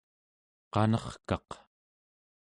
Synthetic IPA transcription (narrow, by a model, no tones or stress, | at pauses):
qɑnʌχkɑq